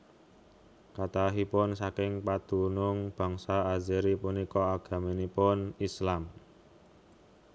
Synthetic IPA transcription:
kat̪aɦipʊnsakɪŋpad̪̥ṳnʊŋb̥a̤ŋsaːziɾipunikɔaɡ̥a̤minipʊnislam

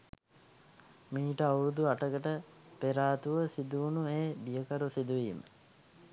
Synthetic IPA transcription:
miːʈəawuɾud̪uaʈəɡəʈə | peɾaːt̪uʋəsid̪uunueːbijəkaɾusid̪uʋiːmə̰

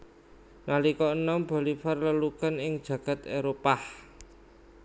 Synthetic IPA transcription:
nalikɔənɔmb̥ɔ̤lifarləlukənɪŋd̥ʒ̥ä̤ɡ̥a̤t̪eɾopah

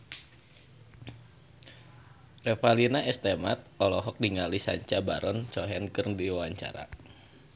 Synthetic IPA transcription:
rɛfalinaɛst̪ɛma̰t̪̚ɔlɔɦɔk̚diŋalisa̰ɲt͡ʃaba̰ɾɔnt͡ʃɔɦɛnkɨrdiwawaɲt͡ʃa̰ɾa̰

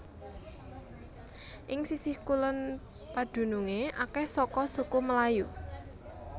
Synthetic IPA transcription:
ʔɪŋsisɪhkulən | pad̪̥ṳnuŋeʔakɛhsɔkɔsukuməlaju

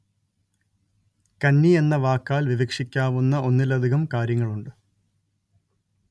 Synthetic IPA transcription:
kɐnːie̞nːɐʋaːkːaːlʋiʋɐkʂikʲːaːʋunːɐo̞nːilɐd̪ʱiɣɐmkaːɾjɐŋːɐɭuɳɖɨ

